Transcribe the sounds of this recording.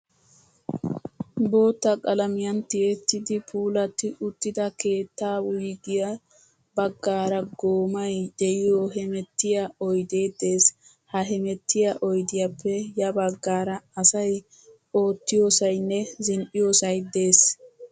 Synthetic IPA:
bo̞ːt̪ːɐkʼɐlɐmɪjɐnt̪ɪjɛt̪ːɪd̪ɪpʰuːlɐt̪ːɪʔʊt̪ːɪd̪ɐke̞ːt̪ːaːwʊjɡɪjɐ | bɐɡːaːɾɐɡo̞ːmɐjd̪ɛʔɪjoɦɛmɛt̪ːɪjɐɔjd̪e̞ːd̪e̞ːs | hɐɦɛmɛt̪ːɪjɐʔɔjd̪ɪjɐpʰːɛjɐbɐɡːaːɾɐːsɐj | o̞ːt̪ːɪjo̞ːsɐjnːɛzɪnʔɪjoːsɐjd̪e̞ːs

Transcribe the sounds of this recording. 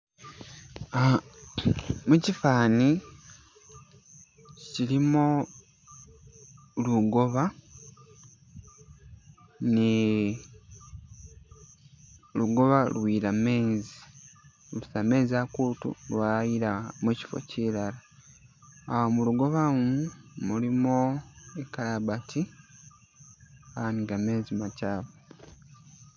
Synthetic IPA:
mucifaːni | cilimo | luɡo̞βa | ni | luɡo̞βalwiːɾame̞ːzi | lusame̞ːziakuːtṵlwajiɾamuci̥fo̞̰cilalaː | muluɡo̞βamumulimoekalabati | aniŋɡame̞ːzimacaːβo

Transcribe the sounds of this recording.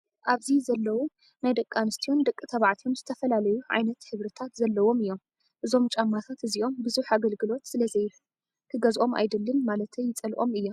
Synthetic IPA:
ʔaβzizɐlːɐwu | najd̪ɐkʼːanɨst̪ʰio̞nd̪ɐkʼːɨt̪ʰɐβaʕt̪ʰijo̞mzɨt̪ʰɐfɐlalɐjuʕa̰jnɐt̪hɨβɾɨt̪ʰat̪zɐlːɐwo̞mɨjːo̞m | ʔɨzo̞mt͡ʃʼamːat̪ʰat̪ɨzio̞mbɨzuħaɡɐlɡɨlo̞t̪sɨlɐzɐj | kʰɨɡɐzʔo̞mʔa̰jd̪ɨlːɨnmalɐt̪ʰɐjːɪt͡sʼɐlʔʼo̞mɨjːo̞m

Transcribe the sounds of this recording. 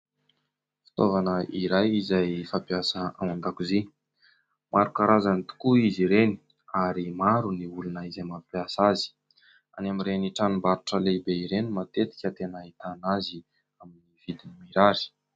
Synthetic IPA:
fi̥t̪ovanəʔiɾajizajfampjasəamand̪akuzi | mʔaɾukaɾazanit̪u̥kuiziɾeni̥ | aɾimaɾuniulunəizajmapjasazi̥ | a̰namiɾeniʈ͡ʂanumbaɾuʈ͡ʂəleibeiɾenimat̪et̪i̥kʲət̪enait̪anazi | aminiv̥id̪inimiɾaɾi̥

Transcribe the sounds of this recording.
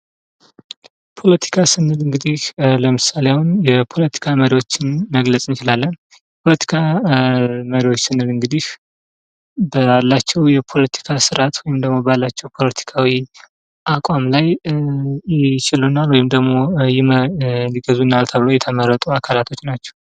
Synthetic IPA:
pʰo̞lət̪ʰi̥kʰasɨnːɨlɨŋɡɨd̪ihləmɨsaleawunjɛpʰo̞lət̪ʰi̥kʰaməɾiwo̞t͡ʃːɪnməɡləsʼɨnt͡ʃɪlalːən | jɛpʰo̞lət̪ʰi̥kʰa | məɾiwot͡ʃːsɨnːɨlɨŋɡɨd̪ih | bəlːat͡ʃːɛwjɛpʰo̞lət̪ʰi̥kʰasɨɾʔat̪wɔjɪmd̪əɡmo̞balːat͡ʃːɛwpʰo̞lət̪ʰi̥kʰawi | ʔakʼamlaj | jɪt͡ʃɪlunalwɔjɪmd̪əɡmo̞jɪməliɡəzunːalt̪ʰəβɨlojɛt̪ʰəmərːət̪ʼuakʰalat̪ʰo̞t͡ʃːnat͡ʃːɛ̥w

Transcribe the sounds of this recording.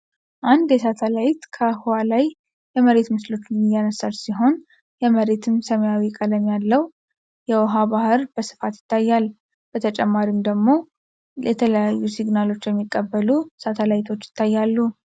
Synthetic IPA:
ʔand̪jɛsat̪ʰəlajt̪kʰəhuwalaj | jɛməɾe̞t̪mɨslo̞t͡ʃːnɨjːanəsalsiɦo̞n | jɛməɾe̞t̪ʰɨmsəməjawikʼələmjalːəw | jɛwɔɦabahɨɾbəsɨ̥fat̪jɪt̪ʰːajːal | b̥ət̪ʰət͡ʃʼɛmːaɾimd̪əɡmo̞ | jɛt̪ʰələjajːusiɡnalo̞t͡ʃːjɛmːikʼːəbːəlusat̪ʰəlajt̪ʰo̞t͡ʃːjɪ̥t̪ʰːajːalːu

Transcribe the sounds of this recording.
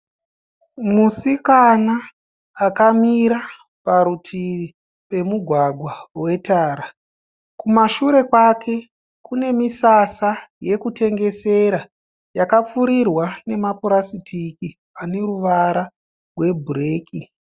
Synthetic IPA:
musikanaː | kamiɾa | paɾutʰii | pe̞muɡʱwaɡʱwawe̞taːɾa | kumaʃuɾe̞kwakʰe̞ | kune̞misasaje̞kute̞ŋɡe̞se̞ɾa | jakap͡fuɾirwane̞mapuɾasitʰiki | ane̞ɾuʋaɾa | rwe̞bʱureːkʰi

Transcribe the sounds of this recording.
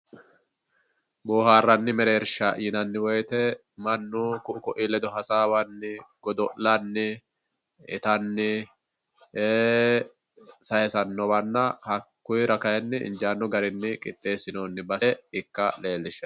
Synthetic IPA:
boːɦaːrːɐnːɪmɛɾe̞ːɾʃɐʔiːnɐnːɪwɔjt̪ɛ | mɐnːukʊʔʊkʊʔɪlɛd̪ɔɦɐsaːwɐnːɪɡ̥ɔd̪ɔʔlɐnːɪ | ɪt̪ɐnːɪ | eː | sɐjɛsɐnːɔbɐnːɐhɐkːʊjɾɐkɐjɛnːɪɪ̰nd͡ʒaːnːɔɡɐɾɪnːɪkʼɪt̪ʼːe̞ːsɪnoːnːɪbɐɛɪkːɐle̞ːlːɪʃɛ

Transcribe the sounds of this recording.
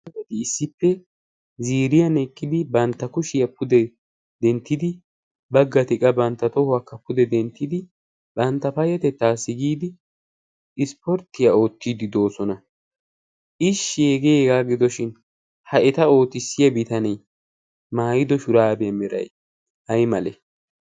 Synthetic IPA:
ɐt̪ɪːsːɪpːɛ | ziːɾɪjɐnɛkʼːɪd̪ɪbɐnt̪ːɐkʊʃɪjɐpʰʊd̪ɛ | d̪ɛnt̪ːɪd̪ɪ | bɐɡːɐt̪ɪkʼɐbɐnt̪ːɐt̪ɔhʊwakːɐpːʊd̪ɛd̪ɛnt̪ːɪd̪ɪ | bɐnt̪ːɐpɐjɐt̪ɛt̪ːaːsːɪɡiːd̪ɪ | ɪspɔɾt̪ːɪjɐo̞ːt̪ːiːd̪ɪd̪o̞ːsɔnɐ | ʔɪʃːɪeɡeeːɡaːɡɪd̪ɔʃɪn | hɐʔɛt̪ɐo̞ːt̪ɪsːɪjɐbɪt̪ɐnɛj | maːjɪd̪ɔʃʊɾaːbɛjɐmɛɾɐ̰j | hɐjmɐlɛ

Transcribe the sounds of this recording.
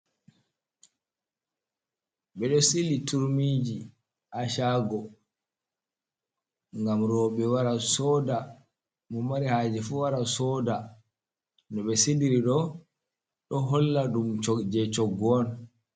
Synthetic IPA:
ɓɛɗɔsilituɾmiːd͡ʒi | ʔaʃaɡɔ | ŋɡamɾɔɓɛwaɾasɔːda | mɔmaɾihaːd͡ʒɛfuwaɾasɔːda | ndɔɓɛsidiɾiɗɔ | ɗɔɦɔlːaɗumt͡ʃɔd͡ʒɛt͡ʃɔɡɔn

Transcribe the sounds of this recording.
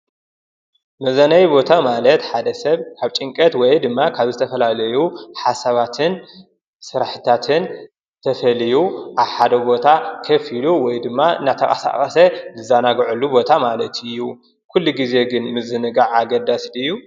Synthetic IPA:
mɐzɐnɐjbo̞t̪ʰamalɐt̪ħad̪ɐsɐβkʰaβt͡ʃʼɨŋkʼɐt̪wɔjd̪ɨmːakʰaβzɨt̪ʰɐfɐlalɐjuħasaβat̪ʰɨn | sɨɾaħɨt̪ʰat̪ʰɨn | t̪ʰɐfɐlijuʔaβħad̪ɐbo̞t̪ʰakʰɐfiluwɔjd̪ɨmːaɨ̰nat̪ʰɐkʼɐ̰sa̰χʼɐsɐzɨzanaɡʕulːubo̞t̪ʰamalɐt̪ɨjːu | kʰulːuɡize̞ɡɨnmɨzɨnɨɡaʕaɡɐd̪asd̪ɨjːu

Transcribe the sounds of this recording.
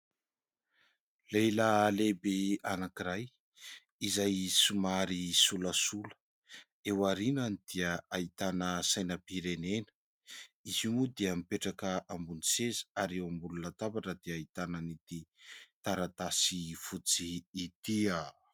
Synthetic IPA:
lejlalebeanakiɾaj | izajsumaɾisuləsulə̥ | ewaɾinanid̪̥iəait̪anəsajnəpiɾenenə̥ | izumud̪iəmipeʈ͡ʂakəʔambunisezi̥aɾewambulunat̪avaʈ͡ʂəd̪iait̪anənit̪it̪aɾat̪asifut͡siːt̪ia

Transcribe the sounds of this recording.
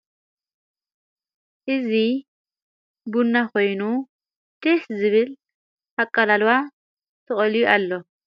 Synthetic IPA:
ʔɪzɪ | bʊnːɐkɔjnu | t̪ɪszɪβɪl | hɐkʼːɐlɐlʊwa | tɔʔʼɔlɪjɔʔɐlːɔ

